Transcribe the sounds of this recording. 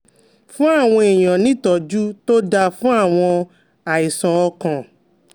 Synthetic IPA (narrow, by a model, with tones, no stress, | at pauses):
fũ˦a˦˨w̃ɔ̃˧e˨j̃ã˨nĩ˦tɔ˨d͡ʒu˦to˦da˧fũ˦a˦˨w̃ɔ̃˧ | a˨i˨sɔ̃˨ɔ˧kã˨